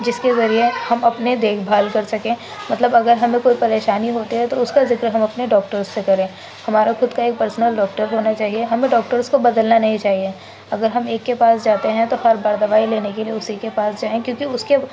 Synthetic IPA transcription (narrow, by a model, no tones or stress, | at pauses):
d͡ʒɪskezɐɾiehɐmɐpned̪eːkʰbʱaːlkɐɾsɐkẽː | mɐt̪ləbɐɡəɾɦɐmẽkoːipɐɾeːʃaːniɦoːt̪iɦɛt̪oʊskazɪkɾɦɐmɐpneɖɔːkʈəɾzːekɐɾẽː | hɐmaːɾaxʊd̪kaeːk̚pɐɾsnəlɖɔːkʈəɾɦoːnat͡ʃaːɦieɦɐmẽɖɔːk̚ʈəɾskobɐd̪əlnanɐɦĩt͡ʃaːɦie | ɐɡəɾɦɐmeːkːepaːsd͡ʒaːt̪eɦɛ̃t̪ohɐɾbɐɾd̪ɐʋaːileːnekelieʊsikepaːsd͡ʒaːẽkjõːkiʊske